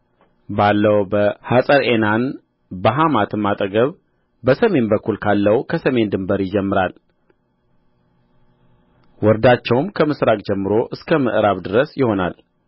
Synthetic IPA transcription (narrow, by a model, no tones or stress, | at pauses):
balːəwbəhasʼəɾʔenan | bəɦamat̪ʰɨmːat̪ʼəɡəβ | bəsəme̞nbəkːulkʰalːəwkʰəsəme̞nd̪ɨmbəɾjɪd͡ʒɛmːɨɾal | wɔɾd̪at͡ʃːɛwmkʰəmɨsɾakʼd͡ʒɛmːɨɾo̞ʔɨskʰəməʔɨɾaβd̪ɨɾəsjɪho̞na̰l